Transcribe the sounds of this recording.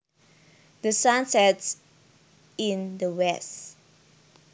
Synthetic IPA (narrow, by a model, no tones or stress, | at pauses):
dəsãnsɛts | ĩndəwɛs